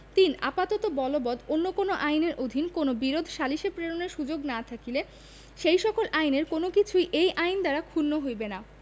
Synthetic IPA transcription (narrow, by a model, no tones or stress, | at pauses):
t̪ina̰pat̪ɔt̪obɔlobɔd̪onːokonoʔajneɾʔod̪ʱinkonobiɾod̪ʱʃaliʃepɾeɾoneɾʃud͡ʑoɡnat̪ʰakile | ʃejʃɔkolʔajneɾkonokit͡ɕʰujʔejʔajnd̪aɾakʰunːoɦojbena